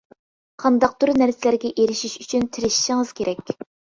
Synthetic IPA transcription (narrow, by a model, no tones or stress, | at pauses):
qʰɑnd̪ɑq̚t̪ʰuɾnæɾsɪlæɾɡʲɛʔeɾɪʃiʃyt͡ʃʰynt̪ʰɪɾɪʃi̥ʃɪŋɨz̥kʲʰeɾʔɛkʲ